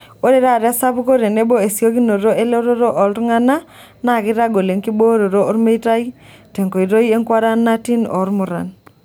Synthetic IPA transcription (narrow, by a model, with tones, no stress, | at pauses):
o˦ɾe˦ɾa˦˨ɾa˦sa˦pu˦ko˦ɾe˨ne˦bo˦e˨sjo˦ki˦no˨ɾo˦ʔe˦lo˦ɾo˦ɾo˦ʔɔ˨ltŋa˦na˦ | na˨kɪ˦ɾa˦ɡo˨le˨ŋki˦bo˦ɾo˨ɾoː˦ɾme˦i˦ta˦i˦te˨ŋko˨i˨ɾo˦i˦e˦ŋkwa˦ɾa˦nːa˦ti˦nɔ̰˨˦ɾmu˨ɾa̰˨n